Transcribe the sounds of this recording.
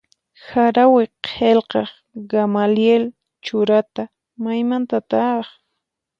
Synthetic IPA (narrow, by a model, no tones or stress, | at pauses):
xaɾawɪqʰelqɑχ | ɡamaljel | t͡ʃʊɾat̪a | majmant̪at̪ɑχ